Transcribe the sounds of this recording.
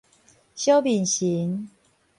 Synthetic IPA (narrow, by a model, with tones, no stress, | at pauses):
ɕjo˦ʊpi˨˩nɕi˨˦ŋ